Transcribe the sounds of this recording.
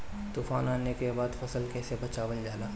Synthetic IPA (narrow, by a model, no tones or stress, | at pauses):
t̪uːfaːnaːnekebaːd̪fɐsəlkɛːsebɐt͡ʃaːʋəld͡ʒaːlaː